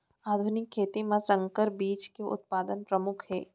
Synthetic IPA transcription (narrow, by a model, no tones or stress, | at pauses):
aːd̪ʱʊnɪkʰːeːt̪imãsɐ̃ŋkəɾbiːt͡ʃkeʔʊ̰t̪̚paːd̪ənpɾɐmʊkʰhɛː